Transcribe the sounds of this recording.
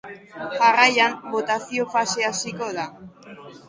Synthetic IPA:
ʝarajambo̞t̪asio̞fase̞asiko̞ða

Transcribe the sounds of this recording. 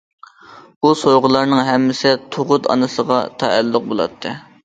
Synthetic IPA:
busojʁʊlˠɑɾnɨŋɦɛmːɪsɪt̪ʰoʁʊt̪ɑ̰nɨsəʁɑt̪ʰɛælːʊq̚bolˠɑ̰t̪ʰːɨ

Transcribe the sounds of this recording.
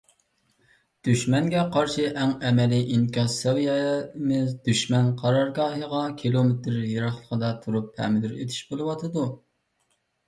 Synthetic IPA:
d̪̥yʃmɛŋɡʲɛqʰɑɾʃɨʔæŋɛmɛlɪʔiŋkʲɑsɛwjɛmɪzd̪yʃmɛnqʰɑɾɑɾɡɑːɦəʁɑkʲʰilˠomet̪ɾjeɾɑχlˠəqəd̪ɑt̪ʰuɾuphɛ̰mɪd̪yɾḛt̪ʰi̥ʃbolˠɨwɑt̪ʰɨd̪u

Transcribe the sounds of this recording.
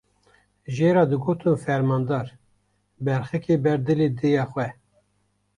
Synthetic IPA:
ʒeːɾɑːd̪ɨɡoːt̪ʰɨnfɛɾmɑːnd̪ɑːɾ | bɛɾxɨkʰeːbɛɾd̪ɨleːd̪ejɑːxʷɛ

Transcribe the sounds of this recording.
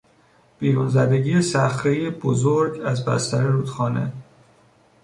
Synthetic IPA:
b̥iːɾunzæd̪e̞ɟiːesæxt̪ejebozoɾɟæzbæ̰st̪æɾeɾuːd̪̥xɒːne̞̰

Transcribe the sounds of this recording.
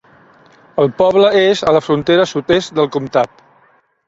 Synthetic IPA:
əlˠpɔβləezələfɾunt̪eɾəsut̪est̪̚d̪əlˠkumt̪at̪̚

